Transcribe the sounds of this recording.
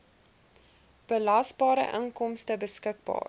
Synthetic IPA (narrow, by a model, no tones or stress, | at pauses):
b̥əlɐsbɑːɾə̰ʔə̰ŋkɔmstəbəskək̚bɑ̰ːr